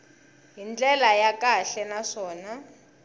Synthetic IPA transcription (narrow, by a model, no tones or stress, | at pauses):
ɦind͡ɮʼɛlajakʼaɬɛnaʂɔːna